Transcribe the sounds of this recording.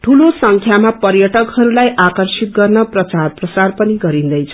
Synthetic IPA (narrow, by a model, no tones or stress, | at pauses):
ʈʰulosʌŋkʰjamapʌrjʌʈʌkhʌɾulajʔakʌrsit̪̚ɡʌrnʌprʌt͡sarprʌt͡sarpʌniɡʌɾĩnd̪ʌjt͡sʰʌ̥